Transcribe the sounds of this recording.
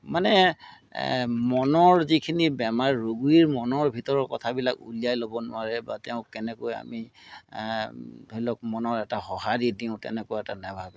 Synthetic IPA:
manɛ | mɔnɔɹzikʰinibɛmaɹɹoɡuiɹmɔnɔɹbʱitɔɹɔɹkɔtʰabilakṵlijajlobɔnʊ̰aɹɛbatɛʊ̃kɛnɛkoja̰mi | dojlɔk̚mɔnɔɹɛtahɔhadidiʊ̃tɛ̰nɛkɔɛtanabʱabɛ

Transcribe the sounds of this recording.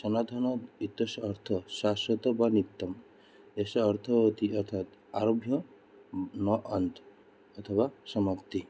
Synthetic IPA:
sɔnad̪ʱɔnɔit̪eʃːɾt̪ʰɔʃaʃɔt̪ɔbanit̪ːɔm | esːɾt̪ʰɔɦot̪ʰiɔɾt̪ʰat̪aɾobʱjɔ | nɔʔɐnt̪ʰ | ɔt̪ʰɔβasɔmakt̪i

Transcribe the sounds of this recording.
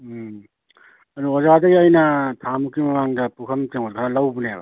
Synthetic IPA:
ɐduɔzadɐɡiajnɐtʰamukimɐmaŋdɐpukʰɐmteŋɔt̚kʰanalɐwbuneabɐ̰

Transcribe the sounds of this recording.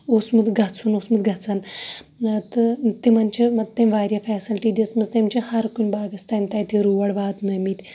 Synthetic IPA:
osmət̪ɡʱat͡sʰuːnosmət̪ɡʱat͡san | t̪ət̪emant͡ɕemɐt̪emʋaɾʲjafɛsilʈiːd̪ʲet͡smɐd͡zt̪emt͡ɕehaɾkunʲbaːɡɐst̪ant̪ajt̪iɾuʋəɽʋaːt̪nəmit̪ʲ

